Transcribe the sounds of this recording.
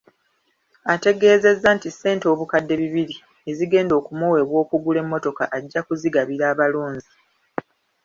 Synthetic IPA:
ate̞ɡe̞ːze̞zːantise̞ːnto̞ːβukadːe̞βiβiɾi | e̞ziɡe̞ːndo̞ːkumuwe̞βwo̞ːkuɡule̞mːo̞to̞ka̰ʔaɟːakuziɡaβiɾaːβaloːɲzi

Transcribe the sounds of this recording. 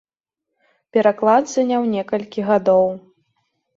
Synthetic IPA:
pʲɛɾaklˠad̪zʲanʲawnʲɛkɐlʲkʲiɣad̪ɔw

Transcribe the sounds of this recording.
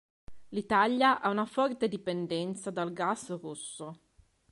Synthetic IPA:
lit̪aljaʔaunafɔrt̪ed̪ipend̪ɛnt̪sad̪alɡasrusːo

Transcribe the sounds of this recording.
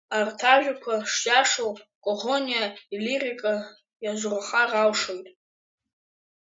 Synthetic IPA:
artʰaʒᶣakʷʰaʂt͡ʃʼaʂowkʼoʁonijailirikʼa | jaʒʷraχarawʂojtʼ

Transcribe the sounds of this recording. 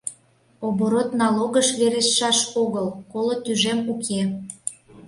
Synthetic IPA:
oβoɾot̪nɑloɣəʃβeɾesːɑʃoɣəlkolot̪yʒemukʰe

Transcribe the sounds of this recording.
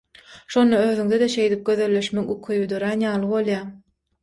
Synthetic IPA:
ʃo̞nd̪ɑøːðyŋd̪ed̪eʃe̞jd̪ip̚ɡʲø̞ðø̞lːe̞ʃmekukʰyjyd̪øɾænjɑːlˠɯβo̞lˠjɑː

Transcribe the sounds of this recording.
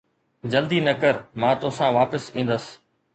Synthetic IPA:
d͡ʑɐld̪iːnɐkəɾmãːt̪ʊsãʋaːpəsĩːn̆d̪əs

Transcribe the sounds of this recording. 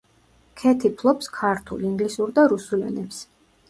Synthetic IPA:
kʰɛt̪ʰipʰlˠɔpskʰaɾt̪ʰṵliŋɡlisuɾd̪aɾusulɛ̰nɛps

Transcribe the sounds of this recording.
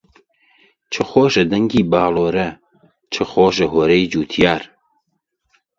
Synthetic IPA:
t͡ʃʰɨxoːʒɐd̪ɐŋɡiːbaːloːɾɐ | t͡ʃʰɨxoːʒɐɦoːɾɛjd͡ʒuːt̪ʰjaːɾ

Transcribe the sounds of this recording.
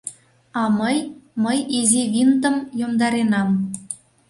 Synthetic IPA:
ɑməjməjizʲiβʲint̪ə̆mjomd̪ɑɾenɑm

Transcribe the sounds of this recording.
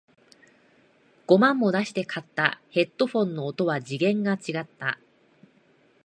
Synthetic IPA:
ɡ̥o̞mãmːo̞d̪aɕi̥t̪e̞kʰat̪ːa̰he̞t̪ːo̞ɸõ̞nːo̞ːt̪o̞βad͡ʑiɡẽ̞ŋɡat͡ɕiɡat̪ːa

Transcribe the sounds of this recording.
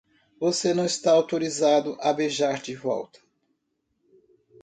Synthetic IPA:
vosenɐ̃w̃ɪst̪aawt̪oɾizad̪ʊʔɐbeʒaɾd͡ʒɪvɔ̰wt̪ɐ̥

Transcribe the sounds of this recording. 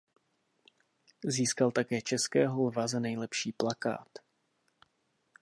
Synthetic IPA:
ziːskalt̪akɛːt͡ʃɛskɛːɦolvazanɛjlɛpʃiːplaka̰ːt̪

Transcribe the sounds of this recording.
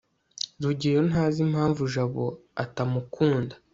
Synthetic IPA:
ɾuɟiɾonɦaːzimhaːɱvuʒaβo̞̰a̰tamukʰuːndḁ

